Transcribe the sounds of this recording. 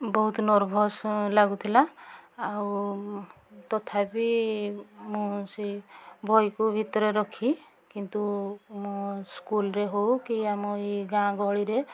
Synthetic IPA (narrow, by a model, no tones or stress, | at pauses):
bɔɦut̪nɔɾbʱɔslaɡut̪ʰilaaw | t̪ɔt̪ʰapi | mũsibʱɔjkubʱit̪ɔɾɔɾɔkʰi | kint̪umũskulɾeɦowkiamɔiɡãɡɔɭiɾe